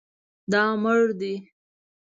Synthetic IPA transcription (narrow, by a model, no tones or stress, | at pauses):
d̪ɑməɻd̪i